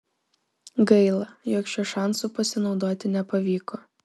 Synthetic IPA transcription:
ɡɐɪlˠɐjoːkʃʲuːʃɑˑnsupɐsʲɪnɒʊd̪oːt̪ʲɪnʲɛpɐʋʲiːkoː

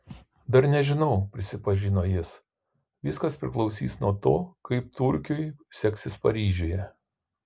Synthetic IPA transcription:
d̪ɐɾnʲɛʒʲɪnɐʊpʲɾʲɪsʲɪpɐʒʲinoːjɪs | ʋʲiɪskɐspʲɾʲɪ̰klˠɒʊsʲḭːsnuɔt̪oːkɐɪpt̪ʊɾʲkʲoːjsʲɛksʲɪspɐɾʲiːʒʲoːjɛ

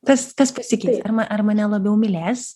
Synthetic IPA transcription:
kɐst̪ɐspɐsʲɪkʲɛɪt̪sʲɐrmɐʔɐrmɐnʲɛlˠɐbʲɛʊmʲɪlʲæːs

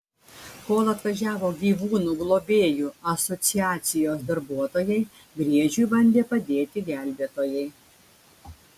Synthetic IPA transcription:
koːlˠɐt̪ʋɐʒʲæːʋoːɡʲiːʋuːnuːɡlˠoːbʲeːjuːɐsɔt̪sʲɪjæːt̪sʲɪjoːsd̪ɐɾbuɔt̪oːjɛɪ | ɡɾʲiɛʒʲujbɐnʲd̪ʲeːpɐd̪ʲeːt̪ʲɪɡʲæˑlʲbʲeːt̪oːjɛɪ

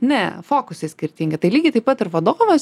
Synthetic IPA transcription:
nʲɛfoːkʊsʲesʲkʲɪɾʲt̪ʲiːŋʲɡʲɪt̪ɐɪlʲiːɡʲɪt̪ɐɪpɐt̪ɪɾʋɐd̪oːʋos

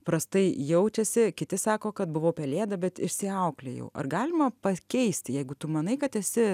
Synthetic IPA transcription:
pɾɐst̪ɐɪjɛʊt͡ʃʲɛsʲɪkʲɪt̪ʲɪsɑːkoːkɐt̪̚bʊʋoːpʲɛlʲeːd̪ɐbʲɛt̪ɪʃʲsʲɪɐʊklʲḛjɛ̰ʊʔɐ̰rɡɑːlʲɪmɐpɐkʲɛɪsʲt̪ʲjɛɪɡʊt̪ʊmɐnɐɪkɐt̪ɛsʲɪ

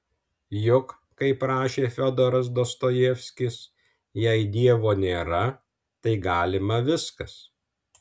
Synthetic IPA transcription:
jʊk | kɐɪpɾɑːʃʲeːfʲɔd̪oːɾɐs̬d̪oːst̪oːjɛfʲsʲkʲɪs | jɛɪd̪ʲiɛʋoːnʲeːɾɐ | t̪ɐɪɡɑːlʲɪmɐʋʲɪskɐs

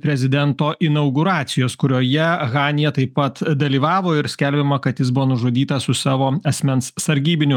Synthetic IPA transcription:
pʲɾʲɛzʲɪd̪ʲɛnt̪oːʔɪnɐʊɡʊɾɑːt̪sʲɪjoːskʊɾʲoːjɛɣɑːnʲɪjɛt̪ɐɪppːɐt̪d̪ɐlʲiːʋɑːʋoːɪɾsʲkʲɛlʲbʲɪmɐkɐt̪jɪsbʊʋoːnʊʒoːd̪ʲiːt̪ɐsʊsɑːʋoːɐsʲmʲɛnssɐɾʲɡʲiːbʲɪnʲʊ

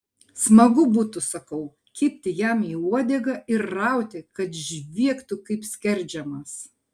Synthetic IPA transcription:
smɐɡʊbuːt̪ʊsɐkɐʊ | kʲɪːpʲt̪ʲɪjæmiːuɔd̪ʲɛɡɐʔɪɾːɑˑʊt̪ʲɪkɐt̪ʒʲʋʲiɛkt̪ʊkɐɪpsʲkʲɛɾʲˑd͡ʒʲɛmɐs

